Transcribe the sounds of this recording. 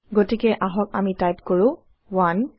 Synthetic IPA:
ɡotikɛʔaɦɔk̚a̰mitajpkoɹʊ̃ | wan

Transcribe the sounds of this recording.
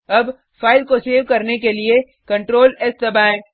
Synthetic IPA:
ɐb | faːɪlkoseːʋkɐɾnekelie | kɐ̃ɳʈɾoːlɛst̪ɐbãːẽk

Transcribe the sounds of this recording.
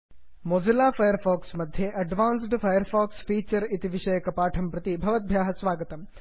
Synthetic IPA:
mod͡ʒɐlaːfʰɐjɐɾfaːksmɐd̪ʱjeʔɐɖʋaːnsɖfʰɐjɐɾfaːksfiːt͡ʃɐɾit̪iʋiʂɐjɐkɐpaːʈʰɐmpɾɐt̪ibʱɐʋɐt̪̚bʱjaːɦɐsʋaːɡɐt̪ɐm

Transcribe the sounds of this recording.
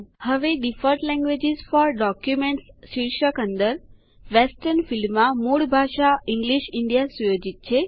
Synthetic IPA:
həʋeɖifəɾʈlɛ̃ŋɡʋed͡ʒizfɔɾɖɔkjumẽɳʈsʃiɾʃəkənd̪əɾ | ʋesʈəɾnfilːãmoɽbʱaʃaiŋɡliʃiɳɖijasujod͡ʒit̪̚t͡ʃʰe

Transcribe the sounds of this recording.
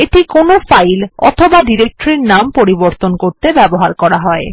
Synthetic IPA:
eʈikonofajlɔ̰t̪ʰobaɖiɾek̚ʈoɾeɾnampoɾiboɾt̪onkoɾt̪ebɛboɦaɾkɔɾaɦɔe

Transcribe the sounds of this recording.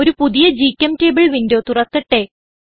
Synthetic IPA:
oɾupuðijɐd͡ʑiːkʲːɐmteːbiɭʋindoːt̪urɐk̪ːiʈːe̞

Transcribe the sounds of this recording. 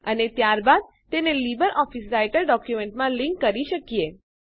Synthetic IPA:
ənet̪jaɾbad̪̚ | t̪enelibəɾɔfisɾajʈəlɖɔkjumeɳʈmãliŋkːəɾiʃəkije

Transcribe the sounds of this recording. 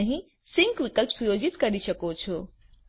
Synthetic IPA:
əɦĩ | sɪ̃ŋkʋɪkəlpsujoːd͡ʒɪt̪kɐɾiʃɐkot͡ʃʰo

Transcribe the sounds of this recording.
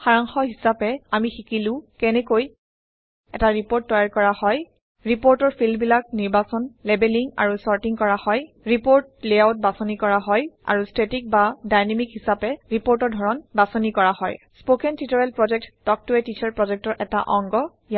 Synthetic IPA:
xaɹaŋxɔɦisapɛamixikilʊ̃kɛnɛkoj | ɛtaɹipoɹtːɔjaɹkɔɹahɔj | ɹipoɹtɔɹfʰilmbilak̚niɹbasɔnlebeliŋa̰ɹusɔɹtiŋkɔɹahɔj | ɹipoɹt̚lejawt̚basɔnikɔɹaɦɔja̰ɹustetik̚badajnemikɦisapɛɹipoɹtɔɹdʱɔɹɔnbasɔnikɔɹahɔj | spokɛntitɔɹɛlpɹɔd͡ʒɛk̚tːɔk̚tuɛtit͡ʃʰaɹpɹɔd͡ʒɛk̚tɔɹʔɛta̰ʔɔŋɡɔ | ja

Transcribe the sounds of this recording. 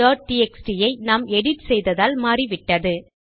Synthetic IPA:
aːʈiɛksʈɪjɐɪnaːmɛɽɪʈsɛjðɐðaːlmaːriʋɪʈːɐðɯ

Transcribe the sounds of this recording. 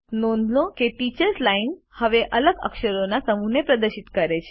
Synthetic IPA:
nond̪lokeʈit͡ʃəɾslainhəʋeʔələɡə̰kʃəɾonasəmunepɾəd̪əɾʃit̪kəɾet͡ʃʰe̥

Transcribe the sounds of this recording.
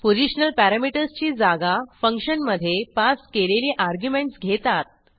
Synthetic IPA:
poɾiɕnəlpæɾamiʈəɾst͡ɕiːd͡zaɡafəŋkɕənməd̪ʱːjepaskeleliːʔaɾɡjumẽɳʈsɡʱet̪at̪̚

